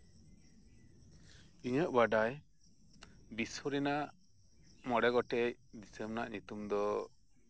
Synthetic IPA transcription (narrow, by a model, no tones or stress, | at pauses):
iɲəʔbaɖaj | biswɔɾinaʔʔ | mɔɽɛɡɔʈɛjd̪isembnaʔɲut̪umd̪ɔ